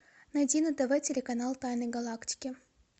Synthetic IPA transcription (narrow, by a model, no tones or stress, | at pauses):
nɐdʲinɨd̪ɐvɛtʲɪlʲɪkɐnalˠt̪ajnəɡɐlˠaktʲɪ̥kʲɪ